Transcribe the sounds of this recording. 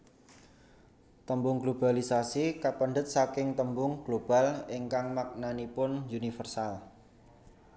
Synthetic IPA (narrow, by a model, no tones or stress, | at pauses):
t̪əmbʊŋɡlob̥a̤lisasikapəɳɖət̪̚sakɪŋt̪əmbʊŋɡ̥lob̥a̤lɪŋkaŋmak̚nanipʊnjunifərsal